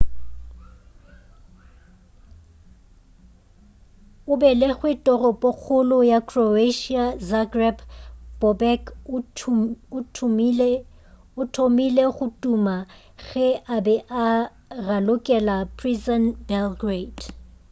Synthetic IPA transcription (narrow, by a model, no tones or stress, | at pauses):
ʊbɛlɪɣwɪtʼɔrɔpʼɔk͡xʰʊlʊjakʰroeʃiazaɡrɛpb̥ɔbɛk | ʊtʰ | ʊtʰomileχʊtʼuma | ɣɛʔabɛʔa | ralʊkʼɛlapʰrizɔnbɛlɡred